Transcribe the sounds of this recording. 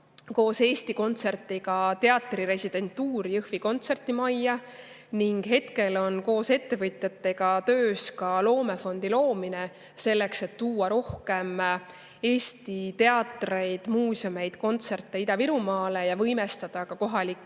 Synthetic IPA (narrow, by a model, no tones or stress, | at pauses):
ko̞ːse̞ːst̪iko̞nt̪se̞rt̪ːˑiɡɑt̪e̞ɑt̪ːˑriɾe̞sʲid̪̥e̞nt̪ːuːɾjɯhviko̞nt̪se̞rt̪ːˑimɑjːɑ | niŋɡ̥ɦe̞t̪ke̞lo̞nko̞ːse̞t̪ːe̞vɤt̪ʲˑjɑt̪ːˑe̞ɡ̥ɑt̪ø̞ːskɑlo̞ːme̞fo̞nd̪̥ilo̞ːmine̞ | se̞lːekse̞t̪ːuːɑɾo̞hke̞m | e̞ːsʲt̪it̪e̞ɑt̪ːre̞jd̪̥muːsome̞jd̪̥ko̞nt̪se̞rt̪ˑːe̞id̪ɑviɾumɑːle̞jɑvɤjme̞st̪ɑd̪̥ɑkɑko̞ɦɑlikː